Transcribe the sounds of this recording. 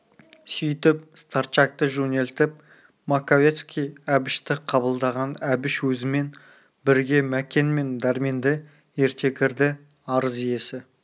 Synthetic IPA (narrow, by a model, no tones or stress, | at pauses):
sʏjt̪ɪp̚st̪art̪ʃak̚t̪əʒunʲe̞lʲt̪ɪp̚ | makovet̪skʲijæbɪʃt̪ɪqʰɑbəlˠd̪ɑʁɑnæbɪʃwɵzɪme̞n | bɪɾɡʲe̞mækʲe̞nme̞nd̪ɑɾmend̪ɪ | e̞ɾt̪ʰe̞kʲɪɾd̪ɪ | ɑɾəzije̞sɪ